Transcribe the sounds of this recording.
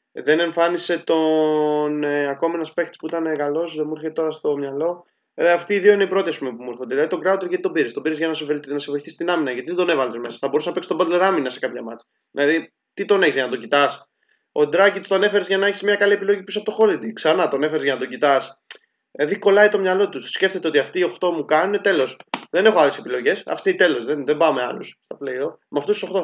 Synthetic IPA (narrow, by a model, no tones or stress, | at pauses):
ðe̞ne̞ɱfɐnise̞t̪o̞neɐko̞menɐspe̞k̚t̪spuit̪ɐneɣɐlo̞sðemuiɾçeet̪oɾɐst̪o̞mɲɐlo̞ | ɐft̪iːðio̞ineipɾo̞t̪iɐspumepumuiɾxod̪eðilɐðit̪o̞ɡɾɐut̪eɾʝɐt̪it̪o̞biɾist̪o̞biɾizʝɐnɐsevenɐsevo̞iθist̪inɐminɐʝɐt̪iðed̪o̞ne̞vɐlezme̞sɐ̥θɐbo̞ɾusnɐpeksi̥sto̞bɐd̪le̞ɾɐminɐse̞kɐpçɐmɐ̰t͡sɐ̥ | ðilɐði | t̪it̪o̞neçizʝɐnɐt̪o̞cit̪ɐs | o̞d̪ɾɐcit̪st̪oɐne̞fe̞ɾezʝɐnɐeçismɲɐkɐlie̞pilo̞ʝipuisɐpot̪o̞xo̞lid̪iksɐnɐt̪oɐnefe̞ɾezʝɐnɐt̪oɟit̪ɐs | ðiko̞lɐit̪o̞mɲɐlo̞t̪ussce̞ft̪e̞t̪eo̞t̪iɐft̪iːo̞xt̪o̞mukɐnune̞t̪e̞lo̞sðe̞ne̞xoale̞se̞pilo̞ʝe̞sɐ̰ft̪it̪e̞lo̞zðenðembɐome̞alṵsst̪ɐpleiomɐft̪ost̪uso̞xt̪o